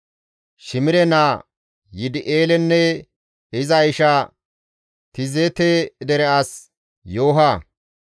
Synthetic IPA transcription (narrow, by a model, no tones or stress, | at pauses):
ʃɪmɪɾɛnaː | jɪd̪ɪʔeːlɛnːɛ | ɪzɐjʃaː | t̪ɪzeːt̪eːd̪ɛɾɛaːs | joːɦa